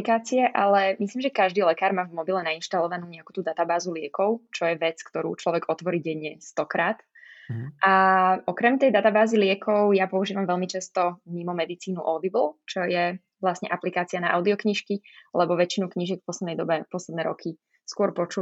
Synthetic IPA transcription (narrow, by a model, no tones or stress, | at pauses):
kaːt͡siɛʔalɛmisliːmʒɛkaʒd̪iːlɛkaːɾmaːvmɔbilɛnainʃt̪alɔʋanuːɲɛaku̥ːt̪uːd̪at̪abaːzulɪɛkɔʊt͡ʃɔjɛʋɛt͡skt̪ɔɾṵːt͡ʃlɔʋɛɡɔt̪ʋɔɾiɟɛɲɛst̪ɔkɾaːt̪ | ʔaʔɔkɾɛmt̪ɛjd̪at̪abaːzilɪɛkʰɔʊjapɔuʒiːʋamʋɛlmit͡ʃɛst̪ɔmimɔmɛd̪it͡siːnuʔɔd̪ibl̩ˠt͡ʃɔjɛ | ʋlasɲɛʔaplikaːt͡sianaʔa̰ʊd̪iɔkɲiʃkilɛbɔʋɛt͡ʃinukɲiʒjɛkfpɔslɛd̪nɛjd̪ɔbɛpɔslɛd̪nɛːɾɔ̰kʰi | skʊɔɾpɔt͡ʃu